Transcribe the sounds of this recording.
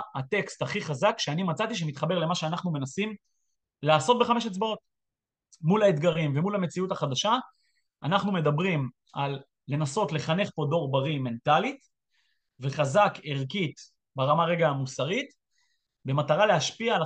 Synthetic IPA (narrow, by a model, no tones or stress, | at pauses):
at̪e̞kst̪aχiχazakʃeanimat͡sat̪iʃ̬emit̪χabe̞ʁle̞maʃeanaχnume̞nasim | laːso̞t̪̚be̞χameʃ̬et͡sbao̞t̪̚ | mulaet̪ɡaʁimvemulame̞t͡siutaχad̪aʃa | ʔːnaχnume̞d̪abʁim | alː | e̞naso̞t̪le̞χane̞χpo̞do̞ʁbaʁime̞ntalit̪ | ve̞χazakeʁkit̪ | beʁamaʁe̞ɡaːmusaʁit̪ | be̞mat̪aʁaleaʃpiaːl